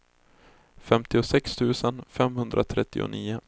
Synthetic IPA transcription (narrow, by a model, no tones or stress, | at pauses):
fɛmt̪ɪʊsɛkst̪ʰʉ̟ːsənfɛmhɵnd̪ɾʔat̪ʰɾɛt̪ːɪ̰ʊ̰niːʊ